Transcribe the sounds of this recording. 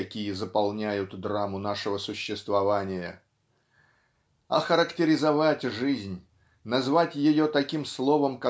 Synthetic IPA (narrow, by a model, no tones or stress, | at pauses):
ɐkʲijəzəpɐlˠnʲæjʊt̪d̪ɾamʊnaʂɨvəsʊɕːɪst̪vɐvanʲɪjə | ɐxəɾəktʲɪɾʲɪzɐvatʲʐɨzʲnʲ | nɐzvatʲjɪjot̪ɐkʲimslˠo̞vəmka